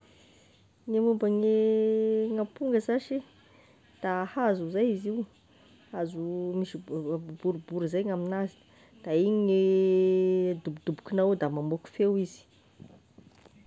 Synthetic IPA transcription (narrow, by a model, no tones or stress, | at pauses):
ŋemumbəŋe | ŋapuŋɡəzaʃi | d̪̥ahazuzajiziw | azumiʃibuɾubuɾizajŋaminazi | d̪̥aiɲine | d̪ubd̪ubu̥kinawd̪amamoku̥fewizi̥